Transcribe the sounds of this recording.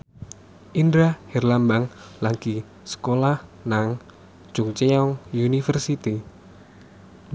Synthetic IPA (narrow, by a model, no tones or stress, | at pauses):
ʔind̪ɾahɛrlambaŋlaɡi | sə̥kolahnaŋ̥ | d͡ʒ̥ʊŋt͡ʃeɔŋunifərsit̪i